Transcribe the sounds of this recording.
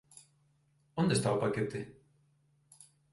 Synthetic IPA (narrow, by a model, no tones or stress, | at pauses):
õnd̪est̪aopaket̪e